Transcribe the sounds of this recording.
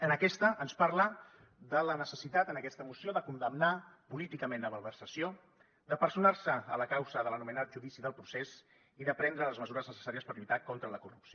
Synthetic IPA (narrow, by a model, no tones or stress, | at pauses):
ənəkɛst̪əʔənspaɾlə | d̪ələnəsəsit̪at̪ənəkɛst̪əmusioðəkund̪əmnapulit̪ikəmẽnləməlˠβərsəsio | d̪əpəɾsunaɾsəələkawzəðələnumənat̪̚ʒuðisiðəlˠpɾuses | iðəpɾɛnd̪ɾələzməzuɾəznəsə̥saɾiəspəɾʎut̪akɔnt̪ɾələkurupsio